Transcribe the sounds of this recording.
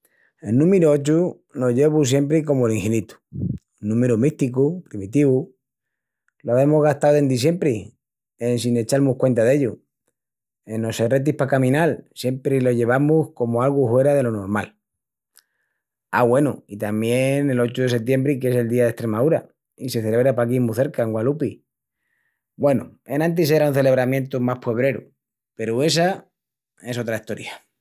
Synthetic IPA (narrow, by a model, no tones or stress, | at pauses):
e̞lnũmeɾuot͡ʃu | no̞ʝe̞βus̬je̞mpɾiko̞moeliŋxenit̪u̥ | nːũme̞ɾumiht̪ikupɾimit̪iβu | loaβe̞mozɣaht̪awe̞nd̪is̬je̞mpɾi | ensine̞t͡ʃaɾmuhkwe̞nt̪aðe̞ʎu | e̞nːo̞sere̞t̪̬ihpakamĩnalsje̞mpɾilo̞ʝe̞β̞amuhko̞moalɣufwe̞ɾað̞e̞lono̞ɾmal | a̰ɣwe̞nuit̪amje̞ne̞lo̞t͡ʃuðe̞se̞t̪je̞mbɾike̞se̞ld̪iaðe̞ht̪ɾe̞maðuɾa̰ | ise̞θe̞le̞βɾeapak̬imuθe̞ɾkaeŋɡwalupi | bwe̞nṵe̞nãnt̪̬is̬eɾaunθe̞le̞β̞ɾamje̞nt̪umaspwe̞β̞ɾe̞ɾṵ | pe̞ɾue̞s̬a | e̞so̞t̪ɾaist̪o̞ɾja